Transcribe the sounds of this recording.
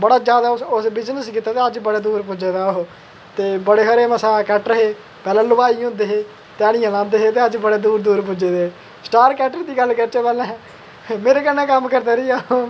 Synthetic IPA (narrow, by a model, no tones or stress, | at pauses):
bəɽaːd͡ʒjaːd̪aːsʊsbɪd͡ʒnəskiːt̪aːt̪eːəd͡ʒbəɽeːd̪uːɾpʊd͡ʒeːd̪aːoɦ | t̪eːbəɽeːɦəɾeːməsaːkɛːʈɾəɦeː | pɛːlãːlʊbaːiʊ̃nd̪eːɦeː | t̪eaːɽ̃ɪjãːlãːnd̪eːɦeːt̪eːəd͡ʒbəɽeːd̪uːɾd̪uːɾp̬ʊd͡ʒeːd̪eː | sʈaːɾkɛːʈəɾd̪iːɡəlːkəɾt͡ʃeːpɛːlɛ̃ː | meːɾeːkənːɛ̃ːkəmːkəɾd̪aːɾiːaː